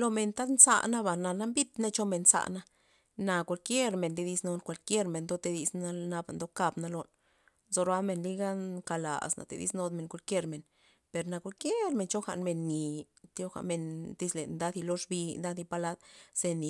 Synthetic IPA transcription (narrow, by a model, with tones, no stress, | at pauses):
lo˧me˧nt̪a˦d̪nsa̰˧ʔna˦ba˨na˧na˦mbi˦t̪ne˦t͡ʃo˦me˧nsa̰˧ʔna˧˦ | na˧kʷa˧lkʲje˦ɾme˨nd̪e˧d̪i˧˦sno˧nkʷa˧lkje˦ɾme˨nd̪o˦t̪e˧d̪i˧sna˧na˧ba˧nd̪o˧˦ka˧bna˧lo˧n | zo˧ɾa˦me˧nli˦ɡa˦ŋka˧la̰˨sna̰˨t̪ḛ˧d̪ḭ˦sno˧d̪me˧˨ŋkʷa˧lkje˦ɾme˨n | pe˨ɾna˧kʷa˧lkje˦ɾme˨nt͡ʃo˦xa̰˧ʔnme˧nːi˨ | t̪o˧˦xa̰˧me˧nd̪i˧˦slḛ˨nd̪a˦d̪i˧lo˦ʂbi˧nd̪a˦d̪i˧pa˧la˦d̪se˧ni˨